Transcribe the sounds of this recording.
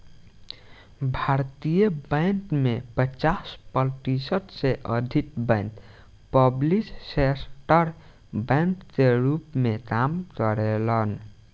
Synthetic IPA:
bʱaɾt̪ijəbə̃ɪnt̪mepət͡ʃaspəlʈisəʈseʔəd̪ʱit̪bə̃ɪnt̪ | pəblissesʈəɾ | bɛ̃nkkeɾupmekamkəɾelən

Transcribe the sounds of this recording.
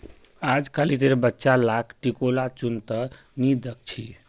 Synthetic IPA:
ad͡ʒkalit̪eɾbətːʃalakʰʈikolat͡ʃunt̪ə | nid̪ək̚t͡ʃʰi

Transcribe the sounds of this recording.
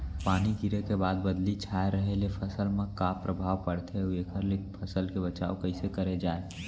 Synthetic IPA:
paːniɡʱiɾekebaːd̪̚bəd̪lit͡ʃʰaeɾəɦelepʰəsəlmekapɾəbʱaːʋpəɽt̪ʰeueːkʰəɾlepʰəsəlkebət͡ʃa̰ːokəɪsekəɾed͡ʒae

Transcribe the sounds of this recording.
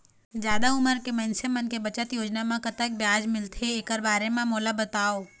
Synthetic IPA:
zjaːd̪aʊməɾkemɐnsemɐnkebɐt͡ʃət̪joːd͡ʒnamãkɐt̪ək̚bjaːd͡ʒmɪlt̪ʰeeːkəɾbaːɾemãmoːlabɐt̪aːoː

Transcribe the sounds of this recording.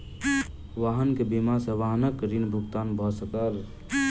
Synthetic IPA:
ʋaːɦənkebimaseʋaːɦnəkɾinbʱʊɡt̪aːnbʱɔsəkəɾ

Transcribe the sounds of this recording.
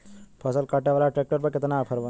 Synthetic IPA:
pʰəsəlkaʈjaʋalaʈɾɛk̚ʈəɾbəkːet̪ənaːpʰəɾʋə

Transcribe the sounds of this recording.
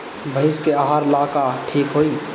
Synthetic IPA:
bʱəɪskeaɦaɾlakaʈʰiːkɦoi

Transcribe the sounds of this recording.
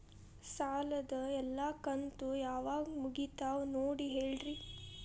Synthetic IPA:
saːlɐd̪ɐɛlːakɐnt̪ujaːʋaːɡmuɡit̪aːʋnoːɽiɦeːɭɾi

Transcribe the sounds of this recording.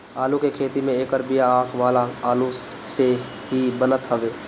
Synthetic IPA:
aːlukekʰeːt̪imẽeːkəɾbijaãːkʰʋaːlaaːlu | se | ɦibənət̪ɦəʋeː

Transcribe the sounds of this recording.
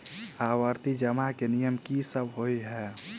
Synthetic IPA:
awəɾt̪id͡ʒəmakenijəmkisəbɦoiɦɛː

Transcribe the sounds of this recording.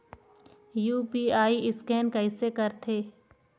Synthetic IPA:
juːpiːaːiʔɪskɛːnkɐɪsekɐɾt̪ʰeː

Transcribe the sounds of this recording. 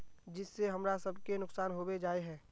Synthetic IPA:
d͡ʒɪsːeɦɐmɾasɐbʱkenʊksaːnɦoːbed͡ʒaːeɦɛ̃ː

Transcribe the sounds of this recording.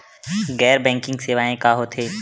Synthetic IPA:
ɡɛːɾbɛ̃ːŋkɪ̃ŋɡseːʋaːẽkaɦot̪ʰeː

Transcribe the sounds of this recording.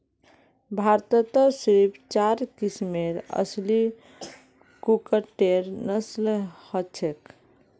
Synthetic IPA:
bʱaɾt̪ət̪əsɾipʰt͡ʃaɾkismeɾə̰sli | kukəʈeɾnəslhət͡ʃʰek

